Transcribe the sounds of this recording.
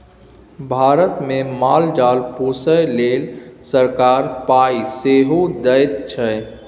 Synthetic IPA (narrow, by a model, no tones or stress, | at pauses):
bʱaɾət̪memald͡ʒalpusəjlelsəɾkaɾpaiseɦod̪əjt̪t͡ʃʰə